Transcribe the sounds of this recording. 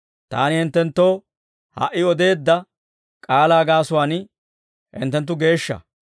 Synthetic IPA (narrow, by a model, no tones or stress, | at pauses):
t̪a̰ːnɪhɪnt̪ːɛnt̪ːoː | hɐ̰ʔːɪɔd̪e̞ːd̪ːɐ | kʼaːlaːɡaːsʊwaːn | hɪ̰nt̪ːɛnt̪̬ːʊɡe̞ːʃːɐ̰